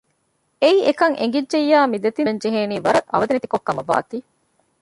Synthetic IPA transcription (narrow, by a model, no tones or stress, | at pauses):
eiʔekɐŋʔḛŋɡidʒejːaːmid̪et̪iɲd͡ʒeɦeːniːʋɐɾɐʔɐ̰ʋɐd̪enet̪i̥kokːɐmɐʋa̰ːt̪iː